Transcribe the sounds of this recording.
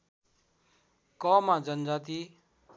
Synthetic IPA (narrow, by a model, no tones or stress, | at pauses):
kɔːmãːd͡ʒənd͡ʒaːt̪iː